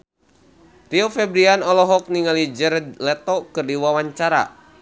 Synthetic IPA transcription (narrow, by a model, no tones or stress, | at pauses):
riɔfɛbɾianɔlɔɦɔk̚niŋalid͡ʒɛɾd̪lɛt̪ɔkɨrdiwawaɲt͡ʃaɾa̰